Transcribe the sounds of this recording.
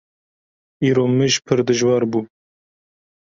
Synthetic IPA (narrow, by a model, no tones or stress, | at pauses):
iːɾoːmɨʒpʰɨɾd̪ɨʒwɑːɾbuː